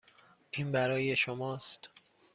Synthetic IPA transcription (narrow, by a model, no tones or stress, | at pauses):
ʔiːnbæɾɒːje̞ʃomɒːst̪